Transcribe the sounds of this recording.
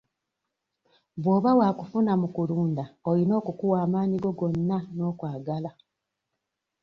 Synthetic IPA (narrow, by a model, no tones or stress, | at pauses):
βwoːβawakufunamukuluːndaolino̞ːkukuwaːmaːniɡo̞ɡo̞nːano̞ːkwaːɡala